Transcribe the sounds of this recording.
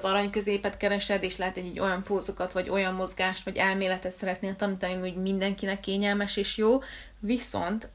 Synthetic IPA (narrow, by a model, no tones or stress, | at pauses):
zɒɾɒɲkø̞zeːpɛt̪kɛɾɛʃɛd̪eːʃt̪lɛɦɛt̪ɛɟːɛɟːo̞jɒmpoːzokɒt̪ʋɒɟo̞jɒmːo̞zɡaːʃt̪ʋɒɟɛlmeːlɛt̪ɛt̪sɛɾɛt̪neːlt̪ɒniːt̪ɒnimɟmind̪ɛŋkinɛkːeːɲɛlmɛʃeːʃjoː | viso̞̰nt̪